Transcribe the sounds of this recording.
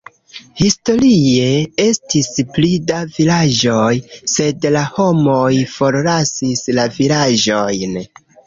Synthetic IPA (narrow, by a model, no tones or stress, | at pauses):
histo̞ɾie̞e̞stisplidavilad͡ʒo̞jse̞dlaho̞mo̞jfo̞ɾlasislavilaʒo̞jn